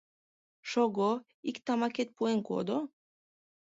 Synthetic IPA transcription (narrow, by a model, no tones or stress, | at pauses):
ʃɔɡo | ikt̪amaket̪̚pueŋko̰d̪o